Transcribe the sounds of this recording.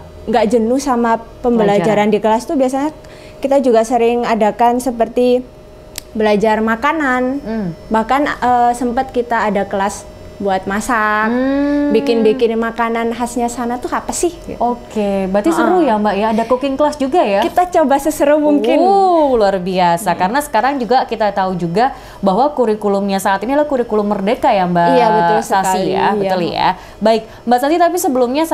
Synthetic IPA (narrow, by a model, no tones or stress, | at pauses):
ŋɡaʔd͡ʒənʊhsamapəmbəlad͡ʒaɾandikəlast̪ubiasaɲa | kit̪ad͡ʒuɡasəɾɪŋadakansəpərt̪i | bəlad͡ʒarmakananbahkanəsəmpət̪̚kit̪aːdakəlas | buat̪̚masak̚bikɪnbikɪnmakananɦasɲasanat̪uhapasɪhokebat̪isəɾujambaʔjaːdakukɪŋkəlasd͡ʒuɡajakit̪at͡ʃobasəsəɾumuŋkɪnluarbiasakaɾənasə̥kaɾaŋd͡ʒuɡakit̪at̪aud͡ʒuɡa | baɦwakuɾikulʊmɲasaːt̪inilahkuɾikulʊmːərdekajambaʔaəʊlsasija̰ət̪əlija̰ | baɪk̚ | mbaʔsasit̪apisəbəlʊmɲas